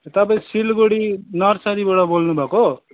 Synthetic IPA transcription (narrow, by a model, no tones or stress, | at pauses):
t̪ʌpaĩsilɡoɽinʌrsaɾibaɽʌbolnubʱʌko